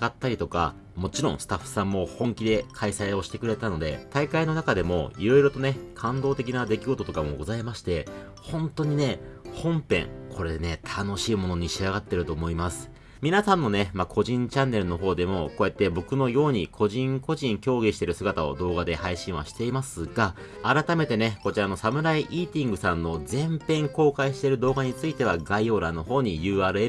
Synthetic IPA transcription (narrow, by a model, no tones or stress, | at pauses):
at̪ːaɾʲit̪oka̰ | mo̞t͡ɕiɾõ̞ɰ̃sɨ̥t̪aɸːɯ̥sãmːo̞hõ̞ŋkʲid̪e̞kʰaisaio̞ɕi̥t̪e̞kɯɾe̞t̪ano̞d̪e̞̰t̪aikaino̞nakad̪e̞mo̞̰iɾo̞iɾo̞t̪o̞ne̞kʰãnd̪o̞ːt̪e̞k̬ʲinad̪e̞kʲiɡo̞t̪o̞t̪o̞kamo̞̰ɡo̞zaimaɕi̥t̪e̞ | hõ̞nt̪o̞ɲ̟ine̞hõ̞mpẽ̞̰ŋkʰo̞ɾe̞d̪ene̞t̪ʰano̞ɕiːmono̞ɲ̟iɕiaɡat̪ːe̞ɾɯ̟t̪o̞ːmo̞imasɨ̥ | mʲinasãnːo̞ne̞makʰo̞ʑĩɲ̟t͡ɕãnːe̞ɾɯ̟no̞ɦo̞ːd̪e̞mo̞ko̞jet̪ːe̞bo̞kɯ̟no̞jo̞ːɲ̟ikʰo̞ʑĩŋko̞ʑĩŋkʲo̞ːɡʲiɕi̥t̪e̞ɾɯ̟sɨɡat̪ao̞̰d̪o̞ːɡad̪e̞haiɕĩɰ̃βa̰ɕi̥t̪e̞imasɨɡaː | ɾat̪ame̞t̪e̞neko̞t͡ɕiɾano̞samɯ̟ɾaiʔiːt̪ʲĩŋɡɯ̟sãnːo̞d͡zẽ̞mpẽ̞ŋko̞ːkaiɕi̥t̪e̞ɾɯ̟d̪o̞ːɡaɲ̟it͡sɨit̪e̞β̞aɡaio̞ːɾano̞ho̞ːɲ̟ijɯ̟ːaːɾɯ̟eɾ